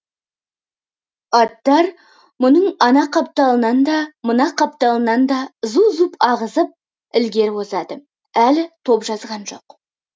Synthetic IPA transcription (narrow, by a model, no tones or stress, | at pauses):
ɑt̪ːɑɾ | mʊnəɴɑnɑqʰɑp̚t̪ɑlˠənɑnd̪ɑmənɑqʰɑp̚t̪ɑlˠənɑnd̪ɑzuzupɑʁəzəp̚ | ɪlɡʲe̞ɾwozɑd̪ə | ælɪt̪ʰo̞pʒɑzʁɑnʒo̞̰q